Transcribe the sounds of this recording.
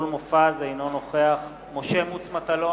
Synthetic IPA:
lmofazajno̞noχeaχ | mo̞ʃemut͡smat̪alo

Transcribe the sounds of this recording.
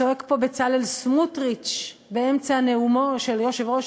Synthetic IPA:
oekpo̞bet͡salelsmutʁit͡ʃ | beemt͡saneumoʃe̞ljo̞ʃevʁo̞ʃ

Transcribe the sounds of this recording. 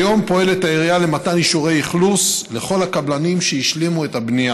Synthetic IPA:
jo̞mpo̞e̞let̪aeʁiale̞mataniʃuʁe̞jiχlusle̞χo̞lhakablanimʃejiʃlimue̞tabnija

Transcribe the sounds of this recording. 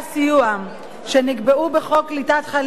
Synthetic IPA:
sijua | ʃeniɡbeubeχo̞klitat̪χal

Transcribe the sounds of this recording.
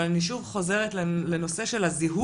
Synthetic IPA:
alaniʃuvχo̞ze̞ʁetlle̞no̞se̞ʃe̞laziɦu

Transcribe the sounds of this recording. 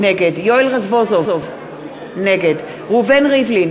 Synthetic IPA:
neɡedjoilʁazvozoov | neɡed̪ | ʁuvenʁivlin

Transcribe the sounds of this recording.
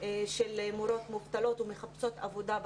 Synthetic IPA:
ʃelemoɾo̞t̪muvt̪alo̞t̪ume̞χapso̞t̪avo̞d̪ab

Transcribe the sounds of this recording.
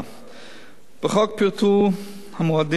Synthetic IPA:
b̥əχɔk̚piːɾtʰu | hamuad̪ɪ

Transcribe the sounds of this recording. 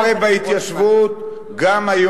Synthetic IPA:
lebahit̪jaʃvut̪ | ɡamajo

